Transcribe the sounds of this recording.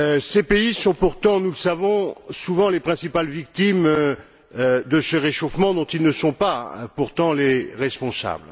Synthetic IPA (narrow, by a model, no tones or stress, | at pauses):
øsepeisɔ̃puʁt̪ɑ̃nuləsavɔ̃suvɑ̃lepχɛ̃sipalvik̚t̪im | d̪əsəʁeʃofmɑ̃d̪ɔ̃t̪ilnəsɔ̃pa̰puʁt̪ɑ̃leʁɛspɔ̃sa̰bl